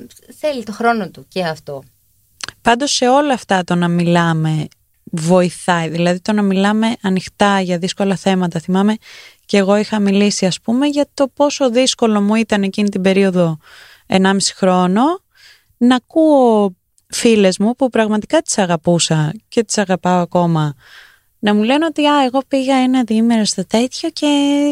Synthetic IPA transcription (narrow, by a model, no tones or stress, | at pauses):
θelit̪oxɾo̞not̪uceɐft̪o | pɐnd̪o̞se̞o̞lɐːft̪ɐt̪o̞nɐmilɐme̞ | vo̞iθɐiðilɐðit̪o̞nɐmilɐme̞ʔɐnixt̪ɐʝɐðisko̞lɐθe̞mɐt̪ɐθimɐme̞ceɣo̞ixɐmilisiɐspume̞ʝɐt̪o̞po̞so̞ðisko̞lo̞muit̪ɐne̞cinit̪ibe̞ɾio̞ðo̞ | e̞nɐmisi̥xɾo̞no̞ | nɐkuo | file̞zmupupɾɐɣmɐt̪i̥kɐt̪i̥sɐɣɐpusɐce̞t̪i̥sɐɣɐpɐoɐko̞mɐ | nɐmule̞not̪iɐeɣo̞piɣɐenɐðiimeɾɐst̪ot̪e̞t̪çoce̞